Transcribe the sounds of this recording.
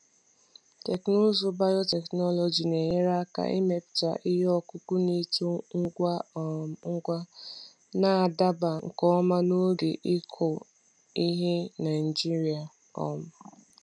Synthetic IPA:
te˨knʊ˦zʊ˦ba˦jɔ˦te˨knɔ˦lɔ˨d͡ʒi˨ne˨ɲe˦ɾa˦ka̰˨ʔḭ˦me˦pta̰˨ʔi˦ɦɔ˦kʊ˦ku˦ni˦tu˦ŋ̩˦ɡʷa˦˨ŋ̩˦ɡʷa˦ | na˦a˨da˦ba˨ŋ̩˨kɔ˦ɔ˦ma˦no˦ɡe˨ʔɪ˦kʰɔ˨ | i˦ɦe˦na˨n˨d͡ʒi˦ɾi˨a˨ | ɔ̰˨mʊ˨

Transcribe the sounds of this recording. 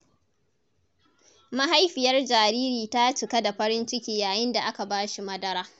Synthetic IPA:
ma˦ɦa˦jɸɪ˨jɐ˦rd͡ʒaː˨ɾiː˦ɾiː˨ta˦t͡ʃɪ˨ka˦da˨ɸɐ˦ɾɪ˦nt͡ʃɪ˦kʲiː˦jaː˨jɪ˦nda˨ʔa˦ka˨baː˦ʃi˨mɐ˦dɐ˦ɾaː˦

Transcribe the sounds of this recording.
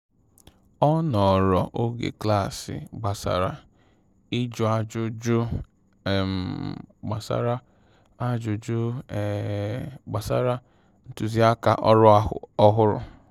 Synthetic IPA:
ɔ˦nɔ˨ɾɔ˨ʔo˦ɡḛ˨kla˦˨sɪ̰˨ɡ͡ba˨sa̰˨ɾa˨ | i˦d͡ʒʊ˨˦a˨d͡ʒʊ˦d͡ʒʊ˦ | m | ɡ͡ba˨sa̰˦ɾa˦ | a˦d͡ʒʊ˨d͡ʒʊ˦˨ | ɡ͡ba˨sa˦ɾa˦ | n̩˦tu˦˨zi˦a˦ka˨ʔɔ˦ɾʊ˦ɔ˦ɦʊ˦ɾʊ̰˨

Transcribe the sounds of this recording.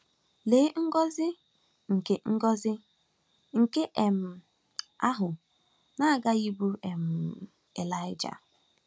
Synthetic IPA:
leː˨˦ŋ̩˦ɡɔ˦zɪ˦ | ŋ̩˨ke˦ŋ̩˦ɡɔ˦zɪ˦ | ŋ̩˨ke˦ʔe˨m̩˨ | a˦ɦʊ˨ | na˦a˨ɡa˦i˦bu˦e˨m̩˨ | ḛ˨la˦ɪ˦d͡ʒa̰˨

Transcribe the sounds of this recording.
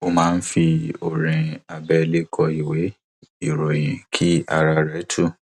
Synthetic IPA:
o˧mãː˦n̩˦fi˧o˨ɾ̃ĩ˧a˧bɛ˧˦le˦kʰɔ˧i˨we˨˦ | i˨ɾo˨j̃ɛ̃˨kʰi˦a̰˧ɾa˧ɾɛ˨˦tʰu˦˨

